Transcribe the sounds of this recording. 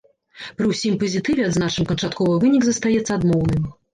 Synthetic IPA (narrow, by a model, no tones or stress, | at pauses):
pɾɨwsʲimpɐzʲit̪ɨvʲɛɐd̪znaʂɨmkɐnt͡ʂat̪kɔvɐvɨnʲiɡzɐst̪ajɛt̪sːɐad̪mɔwnɨm